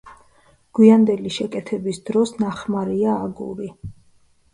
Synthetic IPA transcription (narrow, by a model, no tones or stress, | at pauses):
ɡ̥wiand̪ɛliʃɛkʼɛt̪ʰɛbisd̪ɾɔsnaχmaɾiaːɡṵɾi